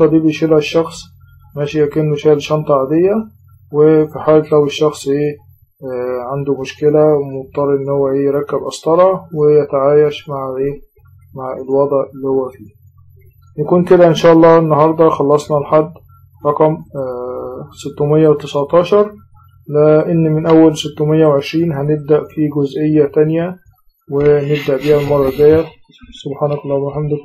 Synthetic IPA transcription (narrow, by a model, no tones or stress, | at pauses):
ɑd̪iːbeʃelhæʃːɑxsˤ | mæʃijækenːʊʃælʃɑnt̪ˤɑʕad̪ejːæ | wefiħaːlt̪læweʃːɑxsˤʔeː | ʕand̪umʊʃkelæmob̚t̪ˤːɑɾˤɑʔenːhowːæʔeːjeɾˤɑkːæbʔɑsˤt̪ˤɑlˤɑwejæt̪aʕaːjæʃmaʕʔeː | maʕelwɑd̪ˤʕʔelːihowːæfiː | nækuːnked̪æʔenʃæːʔɑlˤːɑːenːɑhɑɾˤd̪ˤɑxɑlːɑsˤnɑlħad̪ː | ɾˤɑqɑm | set̪ːomejːæwet̪esʕt̪ˤɑːʃɑɾˤ | leʔenːmɪnʔæwːælset̪ːʊmejːæweʕeʃɾiːnɦæneb̚d̪æʔfiːɡozʔejːæt̪ænjæ | weneb̚d̪æʔbiːhælmɑrˤːɑɡæːjæ | sobħaːnɑkɑlˤːɑmæħamd̪